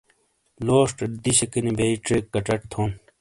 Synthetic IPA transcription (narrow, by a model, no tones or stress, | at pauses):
loːʂʈɐd̪iɕɐkɐnibeiʈɾekːɐʈɐʈt̪ʰoːn